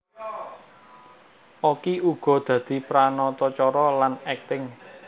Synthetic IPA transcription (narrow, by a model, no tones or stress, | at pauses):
ʔokiuɡ̥ɔ̤d̪̥ä̤d̪̥i̤pɾanɔt̪ɔt͡ʃɔɾɔlanɛk̚t̪ɪŋ